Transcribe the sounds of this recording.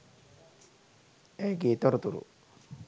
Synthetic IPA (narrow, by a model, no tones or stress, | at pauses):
ɛɡit̪ɔɾt̪uɾṵ